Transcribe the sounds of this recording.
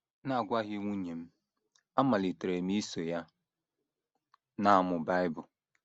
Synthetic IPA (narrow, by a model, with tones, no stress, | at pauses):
na˦˨ɡʷa˦ɦɪ˦ŋʷu˦ɲe˨m̩˦ | a˦ma˨li˨tɾe˨mi˦so˨ja˦ | na˨mʊ˨ba˦ɪ˦bʊ˨